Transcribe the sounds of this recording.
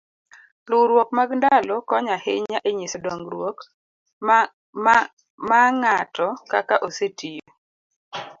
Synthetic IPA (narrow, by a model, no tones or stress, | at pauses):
lʊɾwok̚maɡndalɔkɔɲaheɲaʔeɲɪsdɔŋɡɾwok | maŋatɔkakaʔosetijo